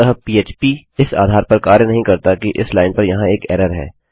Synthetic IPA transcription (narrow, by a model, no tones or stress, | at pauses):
ɐɦəpiːeːt͡ʃpiɪsa̰ːd̪ʱaːɾpɐɾkaːɾjənɐɦĩkɐɾt̪akiʔɪslaːɪnpɐɾjɐɦãeːkɛːɾəɾɦɛ̰ː